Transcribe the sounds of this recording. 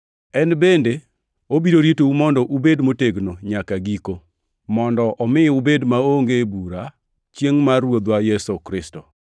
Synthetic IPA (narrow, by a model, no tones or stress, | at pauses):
ɛnbende | obiɾoɾitoumɔndɔʔubedmoteɡnoɲakaɡiko | mɔndɔʔɔmɪubedmaoŋɡebuɾa | t͡ʃjeŋmarwod̪wajɛsokɾɪsto